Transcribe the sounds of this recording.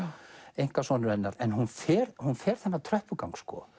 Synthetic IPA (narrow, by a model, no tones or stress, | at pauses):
ejŋ̥kasvɔːnʏɾɛnːaɾɛnɦunfɛːɾhunfɛːɾ̥θɛnːat̪ʰɾœhpʏkawŋkskɔ̰